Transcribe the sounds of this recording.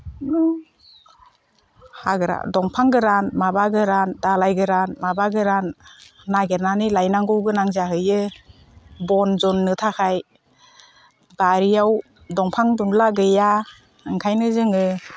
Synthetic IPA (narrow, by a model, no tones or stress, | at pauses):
haɡɯɾa̰dɔŋpʰaŋɡɯɾanmabaɡɯɾandalajɡɯɾanmabaɡɯɾanː | aɡeɾnanilajnaŋɡɔwɡɯnaŋzaɦɯjɯ | bɔnzɔnːɯtʰakʰaj | baɾijaw | dɔŋpʰaŋduŋlaɡɯja | ɯŋkʰajnɯzɯŋɯ